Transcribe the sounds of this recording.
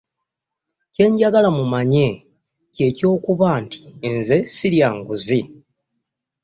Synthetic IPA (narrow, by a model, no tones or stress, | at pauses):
ce̞ːɲɟaɡalamumaɲe̞ | ce̞ːco̞ːkuβaːnti̥nze̞siɾjaːŋɡuzi